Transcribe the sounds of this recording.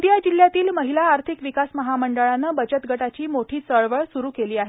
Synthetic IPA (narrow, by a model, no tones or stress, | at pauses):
d̪jad͡ʑil̤jat̪iːlməɦilaːɾt̪ʰikʋikasməɦaməɳɖəɭanːəːbəd͡ʑət̪ɡʱəʈat͡ɕiːmoʈʰiːt͡səɭʋəɭsuɾuːkeliːaɦe